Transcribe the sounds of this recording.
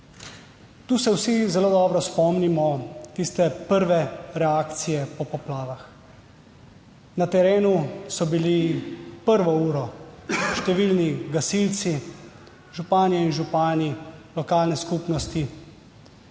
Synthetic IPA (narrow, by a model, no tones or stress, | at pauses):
t̪uːsɛwsizɛloːd̪ɔːbɾɔspɔmnimɔt̪ist̪ɛpəɾʋɛɾɛaːkt̪sijɛpɔpɔplaːʋax | nat̪ɛɾeːnusɔbilipəɾʋɔuːɾɔʃt̪ɛʋilniɡasilt̪si | ʒupaːnɛinʒupaːnilɔkaːlnɛskupnɔst̪i